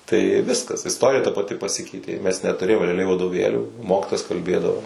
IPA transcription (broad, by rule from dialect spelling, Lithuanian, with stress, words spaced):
tɐɪ ˈʋʲɪskɐs ɪsˈtoːrʲɪjɛ tɐ pɐˈtʲɪ pɐˈsʲɪkʲɛɪtʲeː ˈmʲɛs nʲɛtʊˈrʲeːjoːm rʲɛɐˈlʲɛɪ ʋɐdoːˈʋʲeːlʲuː ˈmoːkʲiːtoːjɛs kɐlʲˈbʲeːdɐʋoː